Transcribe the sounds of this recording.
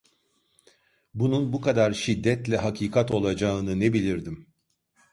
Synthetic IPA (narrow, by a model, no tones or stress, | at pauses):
bununbukʰad̪aɾʃid̪ːɛt̪lʲɛɦakʰiːkʰat̪o̞lˠad͡ʒaɯnɯnebilʲiɾd̪im